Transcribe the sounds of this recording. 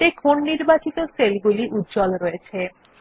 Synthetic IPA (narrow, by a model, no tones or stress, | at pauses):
ekʰonːiɾbat͡ɕit̪oselɡuliʔut̪̚ːd͡ʑɔlɾoet͡ɕʰe